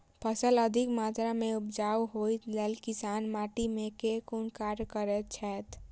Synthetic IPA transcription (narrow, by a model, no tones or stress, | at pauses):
pʰəsələd̪ʱikmat̪ɾameupd͡ʒawɦojt̪lelkisanmaʈimekekunkaɾkəɾɛt͡ʃʰɛt̪